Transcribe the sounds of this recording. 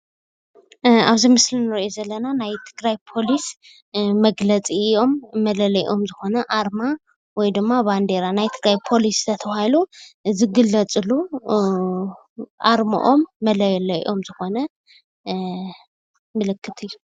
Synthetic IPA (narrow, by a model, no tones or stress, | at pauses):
aβzimɨslinɨɾiʔozɐlːɐnanajt̪ʰɨ̥ɡɾajpʰo̞lis | mɐɡlɐt͡sʼijo̞mːɐlɐlɐʔo̞mzɨxo̞nɐʔaɾma | wɔjd̪ɨmːaβand̪eɾanajt̪ʰɨɡɾajpʰo̞list̪ʰɐt̪ʰɐβahiluzɨɡɨlːɐt͡sʼɨlu | ʔaɾmo̰ʔo̞mːɐlɐjlɐ̰ʔo̞mzɨxonɐ | mɨlɨkʰːɨt̪ʰɨjːu